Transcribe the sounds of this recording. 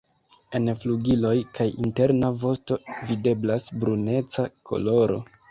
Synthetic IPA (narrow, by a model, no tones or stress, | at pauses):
e̞nfluɡilo̞jkajḭnte̞ɾnavo̞sto̞vide̞blasbɾune̞t͡sakʰo̞̰lo̞ɾo̞̰